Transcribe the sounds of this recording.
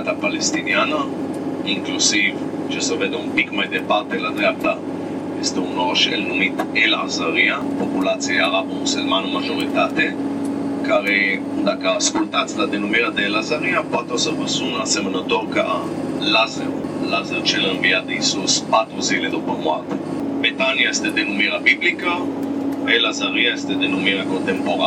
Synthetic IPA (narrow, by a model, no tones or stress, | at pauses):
t̪apalest̪inianə | iŋklusiv | t͡ʃesəved̪eumpikmajd̪epaɾt̪elad̪ɾeap̚t̪a | jest̪eunɾoʃḛlnumit̪elazaɾiapopulat̪sieaɾabuselmanoəmaʒoɾit̪at̪e | kaɾe | d̪akaskolt̪at̪t͡sd̪ad̪enumiɾad̪elazaɾiapwat̪oseɾpeʁsunasemənot̪oɾkaalazḛɾlazeɾt͡ʃɛleɱviat̪isuspat̪ɾuziled̪opomwa̰t̪ebet̪anjaest̪ed̪enumiɾabiblika | elazaɾiaest̪ed̪enumiɾakont̪empoɾa